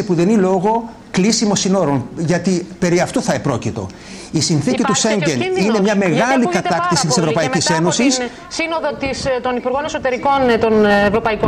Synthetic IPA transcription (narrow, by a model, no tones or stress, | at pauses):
ipuðe̞nilo̞ɣo̞ | klisimo̞sino̞ɾo̞nʝɐt̪ipe̞ɾiɐft̪oθɐepɾo̞cit̪o̞̰ | isinθicit̪useɲɟenine̞mɲɐme̞ɣɐlikɐt̪ɐkt̪isit̪ise̞vɾo̞pɐiise̞no̞sis | sinoðot̪ist̪o̞nipuɾɣo̞neso̞t̪e̞ɾiko̞nt̪o̞nevɾo̞pɐiko